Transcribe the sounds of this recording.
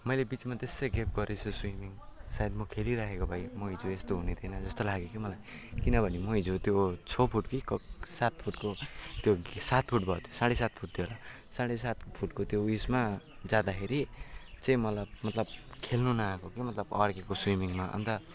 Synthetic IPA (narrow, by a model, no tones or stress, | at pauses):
mʌjlebit͡smat̪esejɡep̚ɡʌɾesʰoswimiŋsajed̪mʌkʰeliɾakʰekobʱʌjmʌɦid͡zuest̪oɦunet̪ʰinʌd͡zʌst̪olaɡekimʌlajkinʌbʱʌnimʌɦid͡zut̪jot͡sʰopʰuʈkikʌsat̪̚pʰuʈkot̪josat̪̚pʰuʈbʱʌt̪ʰjosaɽesat̪̚pʰuʈ̚t̪ʰjoɦola | saɽesat̪pʰuʈkot̪jouismad͡zad̪akʰeɾit͡sʌĩmʌlʌbmʌt̪lʌb̚kʰelnunakokimʌt̪lʌbʌ̰rkekoswimiŋmaʔʌ̰nt̪ʌ